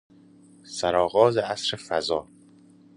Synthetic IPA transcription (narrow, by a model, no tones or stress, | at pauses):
sæɾɒːɣɒːzeæsɾefæzɒː